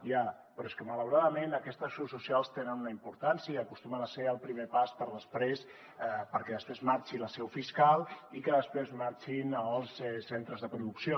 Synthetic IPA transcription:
ja | pɾɔeskəmələwɾaðəmenəkɛst̪əsːususjalˠst̪enənunəimpuɾt̪ansiəiəkust̪umənəseɾəlˠpɾimepaspəɾðəspɾes | pəɾkɛðəspɾezmaɾt͡ʃiləsɛwfiskalˠikəðəspɾezmaɾt͡ʃinəəlˠsɛsent̪ɾəzðəpɾuðuksio

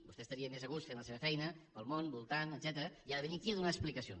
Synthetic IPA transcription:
busɛst̪əɾiəmezəɣ̞ust̪fenləseβəfɛjnəpəlˠmonbulˠt̪anəd̪z̥ɛt̪əɾəiaðəβənikiəðunaəsplikəsion

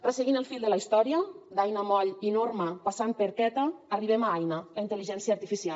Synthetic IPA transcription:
rəseɣinəlˠfilʲˠd̪əlaist̪ɔɾiəd̪ajnəmɔʎinoɾməpasan̚pəɾkɛt̪əːriβemaajnəlaint̪əliʒɛnsiaːɾt̪ifisial

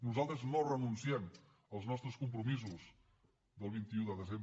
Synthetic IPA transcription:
nuzalˠt̪ɾəznorənunsiɛm | əlˠznɔst̪ɾəskumpɾumizuz | d̪əlˠβ̞int̪iuðəðəzemb

